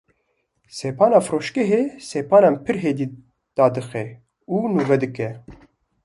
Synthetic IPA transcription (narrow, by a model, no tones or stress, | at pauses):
seːpʰɑːnɑːfɾoːʃkɛɦeːseːpɑːnɑːmpʰɨɾɦeːd̪iː | d̪̥ɑːd̪ɨxɛ | uːnuːvɛd̪ɨkɛ